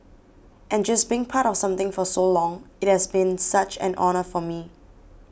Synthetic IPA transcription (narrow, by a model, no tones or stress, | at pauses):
ʔɛ̃nd͡ʒasbiɪ̃ŋpʰaɾɔfsãmt̪ɪ̃ŋfɔsolɔ̃ŋɪt̚hɛsbĩnsat͡ʃɛ̰̃nʔɔ̰nəfɔmi